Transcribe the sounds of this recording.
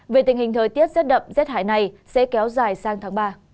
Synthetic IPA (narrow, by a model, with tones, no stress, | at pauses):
ve˨˩t̪ï˩ŋhï˨˩ŋ̟t̪ʰəː˨˩jt̪i˦˥ət̚zɛ˦˥t̚ɗə̰˧˨m̚zɛ˦˥t̚haː˧˩jna˨˩jsɛ̰˧˥kɛ˨˦wzaː˨˩jsaː˨˧ŋt̪ʰaː˨˦ŋɓaː˧